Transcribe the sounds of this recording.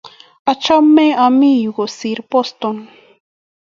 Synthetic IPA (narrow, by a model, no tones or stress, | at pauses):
at͡ʃamːeamijɢosiɾpost̪oŋ